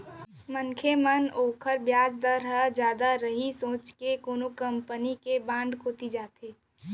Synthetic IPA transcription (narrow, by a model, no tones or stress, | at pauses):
məŋkʰemənoːkʰəɾbjaːd͡ʒd̪əɾɦəd͡ʒjaːd̪aɾəɦisõːt͡ʃkekoːnukəmpənikebãːɳɖkʰoːt̪id͡ʒaːt̪eː